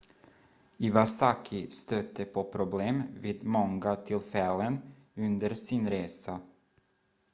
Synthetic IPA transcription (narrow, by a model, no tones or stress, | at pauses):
ɪvasakʰɪst̪œt̪ʰːəpʰɔpʰɾʊbleːmviːd̪mɔŋɡat̪ʰɪlfɛlːən | ɵnd̪əɾsɪnɾeːsa